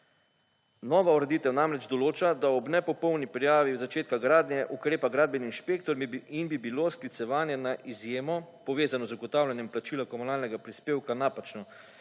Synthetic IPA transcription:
nɔːʋauɾɛd̪iːt̪ɛwnamɾɛd͡ʒd̪ɔloːt͡ʃad̪aɔbnɛpɔpɔwnipɾijaːʋiwzat͡ʃeːt̪̚kaɡɾaːd̪nʲjɛʔukɾeːpaɡɾaːd̪bɛninʃpeːk̚t̪ɔɾminbibilosklit̪sɛʋaːnjɛnaʔizjeːmɔpɔʋeːzanɔzuɡɔt̪aːwlʲanjɛmplat͡ʃiːlakɔmunaːlnɛɡapɾispeːwkanapat͡ʃnɔ

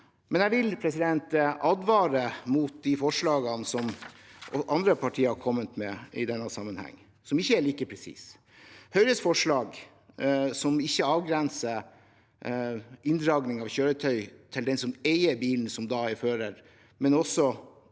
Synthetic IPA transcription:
mɛnjæʋɪlpʰɾɛsɪd̪ɛnt̪ʔɑd̪ʋɑːɾəmuːt̪̚d̪ifɔʂɭɑːɡənsɔmɔʔɑnd̪ɾəpʰɑʈʰiːəɾhɑkʰɔmːət̪mɛɪd̪ɛnːəsɑmːənhæ̰ŋː | sɔmɪçːəæɭiːkəpʰɾɛsḭːs | hœʏɾəsfɔʂɭɑːɡ | sɔmɪçːəɑːʋɡɾɛnsə | ɪnd̪ɾɑːɡnɪŋɑʋçøːɾət̪ʰœʏt̪ʰɪld̪ɛnsɔmeɪəɾbiːln̩sɔmd̪ɑːɪføːɾəɾ | mɛnɔsːɔ

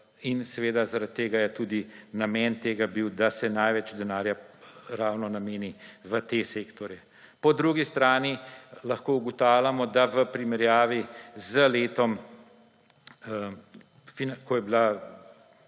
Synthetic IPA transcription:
insɛʋeːd̪azaɾat̪ːeːɡajɛt̪uːd̪inamɛːnt̪eːɡabiwd̪asɛnajʋɛt͡ʃd̪ɛnaːɾjaɾaːwnɔnameːniʋət̪eseːkt̪ɔɾjɛ | pɔd̪ɾuːɡist̪ɾaːnilɐxkoːuɡɔt̪awlʲamɔd̪aʋəpɾimɛɾjaːʋizəleːt̪ɔm | finkɔjɛbila

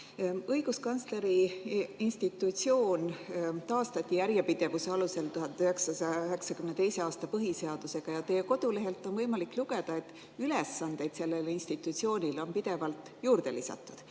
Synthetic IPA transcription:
ɤjɡ̥uskɑnsle̞ɾiinst̪it̪ːˑut̪sio̞ːnt̪ɑːst̪ɑt̪ʲˑːijæɾjepid̪̥e̞vuse̞ɑluse̞lt̪uɦɑnd̪yɦeksɑsɑjɑyɦe̞ksɑkymnet̪e̞jse̞ɑːst̪ɑpɤɦise̞ɑd̪̥use̞ɡ̥ɑjɑt̪e̞jeko̞d̪̥ule̞ɦe̞lt̪ːˑo̞nvɤjmɑlikluɡe̞d̪̥ɑe̞t̪ːˑ | yle̞sːɑnd̪̥e̞jd̪se̞lːe̞linst̪it̪ːˑut̪sio̞ːnʲilo̞npid̪̥e̞vɑlt̪ˑjuːɾd̪̥e̞lisɑ̰t̪ːˑud̪̥

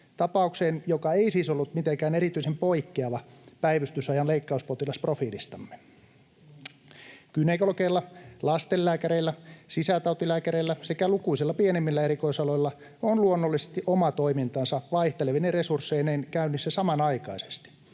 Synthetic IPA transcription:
t̪ɑpɑukseːnjokɑeisiːsolːut̪mit̪eŋkæːneɾit̪yisempoikːeɑʋɑpæiʋyst̪ysɑjɑnleikːɑuspot̪ilɑsprofiːlist̪ɑmːe̥ | kynekolokeilːɑlɑst̪elːæːkæɾeilːæsisæt̪ɑut̪ilæːkæɾeilːæsekælukuisilːɑpienemːilːæeɾikoisɑloilːɑ | onluonːolːisest̪iʔomɑt̪oimint̪ɑnsɑʋɑiht̪eleʋineresursːeinenkæynːisːæsɑmɑnɑikɑise̥st̪i̥

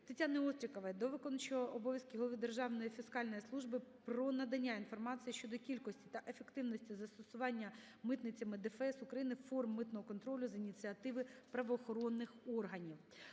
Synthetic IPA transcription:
t̪ɪtʲanɪɔst̪ɾʲikɐʋɐjd̪ɔʋɪkɔnɐt͡ʃɪʋɔʔɔbɔʋʲjɐskʲɪɦɔlˠɔʋɪd̪erʒɑʋnɔjifʲiskɑlʲnɔjislˠuʒbɪpɾɔnɐd̪ɐnʲːainfɔrmɑt͡sʲijiʃt͡ʃɔd̪ɔkʲilʲkɔsʲtʲi̥t̪ɐʔe̞fekt̪ɪwnɔsʲtʲizɐst̪ɔsʊʋɑnʲːɐ | mɪt̪nɪt͡sʲːɐmɪd̪ɪfɛsʊkɾɐjinɪfɔrmːɪt̪nɔɦɔkɔnt̪ɾɔlʲʊzinʲit͡s̪ʲɨɐt̪ɪʋɪpɾɐʋɔːxɔɾɔnːɪxɔrɦɐnʲiw

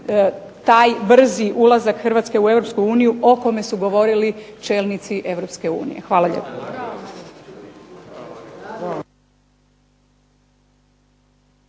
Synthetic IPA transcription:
t̪aːjbr̩ziʔulˠazakxr̩ʋaːt̪ske̞ue̞ʋɾo̞pskuuːnijuʔo̞ko̞me̞suɡo̞ʋo̞ɾilit͡ʃe̞ːlˠnit̪siʔe̞ʋɾo̞pske̞ṵːnḭjexʋaːlˠaʎḛpḁ

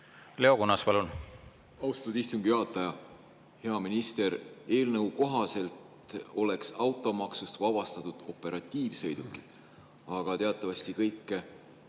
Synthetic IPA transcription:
leokunːɑspɑlun | ɑwst̪ɑt̪ud̪ist̪uŋɡ̥iɑt̪ːˑɑjɑ | he̞ɑminist̪e̞ɾe̞ːlnɤwko̞ɦɑse̞lt̪ | o̞le̞ksɑwt̪ːˑo̞mɑksust̪vɑb̥ɑst̪ɑt̪ud̪̥o̞pːˑe̞ɾʔɑt̪ʲˑːiːvsɤ̞jd̪̥ukːˑi̥ | ɑɡ̥ɑt̪e̞ɑt̪ːˑɑvɑst̪ikɤjkːˑe

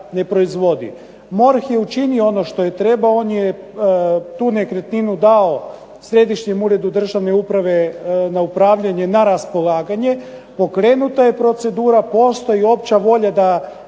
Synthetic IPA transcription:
ne̞pɾo̞izʋo̞d̪ḭ | mo̞ɾxjeut͡ʃinioo̞no̞ʃt̪o̞jet̪ɾe̞baonje | t̪uːne̞kɾet̪ninud̪ao̞ | sɾe̞d̪iʃɲe̞muːɾe̞d̪ud̪r̩ʒaʋne̞upɾaʋe̞naupɾaːʋʎaɲe̞naɾaspo̞lˠaːɡaɲe̞ | po̞kɾe̞ːnut̪aje̞pɾo̞t̪se̞d̪uːɾapo̞st̪o̞jio̞p̚t͡ɕaʋo̞ʎad̪a

